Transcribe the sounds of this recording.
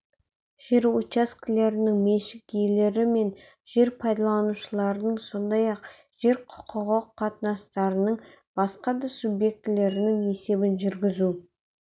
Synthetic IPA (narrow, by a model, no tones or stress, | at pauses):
ʒ̥eɾut͡ʃaskʲɪle̞ɾɪnɪŋmeʃɪkjele̞ɾɪme̞n | ʒ̥e̞ɾpʰɑjd̪ɑlˠɑnuʃəlˠɑɾənəɴso̞nd̪ɑjɑq | ʒ̥e̞ɾqʰʊ̥qʰʊʁəqʰːɑt̪nɑst̪ɑɾənəɴ | b̥ɑsqɑd̪ɑsubje̞k̚t̪ɪle̞ɾɪnɪŋe̞se̞bɪnʒʏɾɡʲɪzu